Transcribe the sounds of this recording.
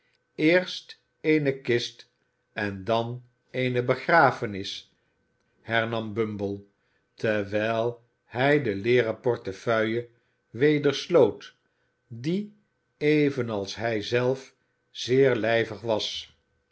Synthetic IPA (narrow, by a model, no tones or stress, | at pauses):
ɪːɹst | ejnəkɪst | ɛndɑn | ejnəbəχraːfənɪs | hɛɹnɑmbɵmbəlˠ | təʋɛjlˠ | hɛjdəlɪːrəpɔɹtəfœɥjə | ʋejdəɹslowt | di | ejvənɑlˠsɦɛjzɛlˠf | z̥ɪːɹlɛjvəχʋɑs